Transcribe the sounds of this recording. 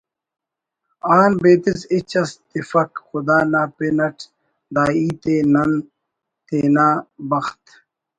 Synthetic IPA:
aːnbeːt̪isit͡ɕɐst̪ifɐkxʊd̪aːnaːpenɐʈ | d̪aːiːt̪eːnɐn | t̪eːnaːbɐxt̪

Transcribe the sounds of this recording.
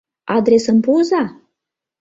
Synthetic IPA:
ad̪ɾesəmpuza

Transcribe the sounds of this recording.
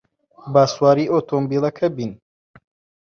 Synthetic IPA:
baːswaːɾiːʔoːt̪ʰombiːlɐkʰɐbin

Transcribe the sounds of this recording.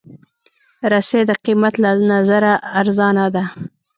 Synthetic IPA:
ɾased̪əqimat̪lanazaɾaːɾzɑnad̪a

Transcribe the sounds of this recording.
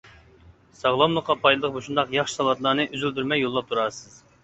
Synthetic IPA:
sɑʁlˠɑmlˠəqːɑpʰɑjd̪lˠəq̚boʃund̪ɑqjɑχʃɨ̥sɑlˠɑt̪lˠɑːnɨʔyzylʲd̪yɾmɛjːolˠːɑp̚t̪ʰuɾɑsɨz̥

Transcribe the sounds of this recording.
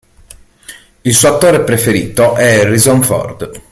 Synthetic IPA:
ilsuːat̪ːoːɾepɾefeɾḭːt̪oʔɛrizɔɱfɔ̰rd̪

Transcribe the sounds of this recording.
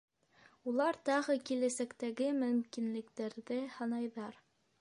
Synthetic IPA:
ulˠɑɾt̪ɑʁɤkilæsækt̪æɡɘmɵ̆mkinlɘ̆kt̪æɾðɘhɑnɑjðɑɾ

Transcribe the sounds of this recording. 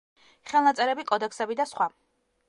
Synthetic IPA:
χɛlˠnat̪sʼɛɾɛbikʼɔd̪ɛksɛbid̪asχwa

